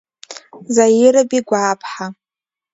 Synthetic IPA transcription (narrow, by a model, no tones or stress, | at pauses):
zajɪɾabiɡʷaːpʰħa